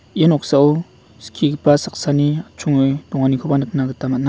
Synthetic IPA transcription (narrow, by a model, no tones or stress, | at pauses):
jenok̚sao | skʰikpasak̚saniat͡ʃʰuŋd̥̪oŋanikʰopanɯk̚naɡɯt̪amana